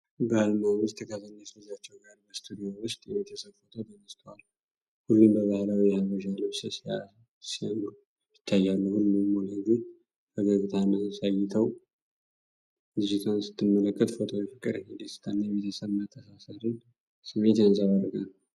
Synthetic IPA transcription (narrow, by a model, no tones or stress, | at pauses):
bəalmawʊst̪ʰːəkʰazənːət̪lɨzat͡ʃːɛwɡaɾbəst̪ʰud̪ijowʊst̪ʼjɛβet̪ʰəsəβfot̪ʰot̪ʰənəst̪ʰəwal | hulːumbəβahlawijɛhaβəʃaləβsəsa | sian | jɪt̪ʰːajːalːəhulːmɨmoləɡi | fəɡəɡɨt̪ʰaməsajɛt̪ʰəw | d̪id͡ʒit̪ʰawnsɨ̥t̪ːɨmːələkʼːət̪fo̞t̪ʰo̞jɛfəkʼːɨɾəɲɛd̪əsɨ̥t̪ʰanːajβet̪ʰəsəβmat̪ʰːəsasaɾɨn | sɨmet̪jansadəɾəɡanː